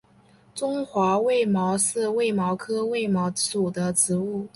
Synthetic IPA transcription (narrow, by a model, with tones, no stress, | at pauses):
ʈ͡ʂʊ˥ŋxwa˧˥we˥˩ɪmɑ˧˥ʊʂɻ̩˥˧we˥˩ɪmɑ˧˥ʊkʰɤ˥we˥˩ɪmɑ˧˥ʊt͡su˨˩d̪ə˦ʈ͡ʂɻ̩˧˥u˥˩